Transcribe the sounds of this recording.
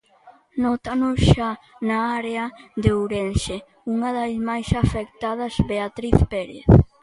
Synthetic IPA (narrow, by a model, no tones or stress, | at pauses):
nɔt̪anʊsʃa | naaɾeaðeuɾenʃe | uŋaðasmajsafek̚t̪að̞ɐzbeat̪ɾiθpeɾḛθ